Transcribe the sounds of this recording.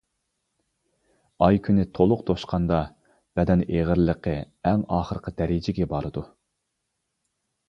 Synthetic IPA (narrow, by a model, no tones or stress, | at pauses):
ɑjkʲʰynɪt̪ʰolˠʊq̚t̪ʰoʃqʰɑnd̪ɑ | b̥ɛd̪ɛneʁəɾləqʰə | æŋɑːχəɾəqʰəd̪ɛɾɪd͡ʒɪɡʲɛbɑɾɨd̪u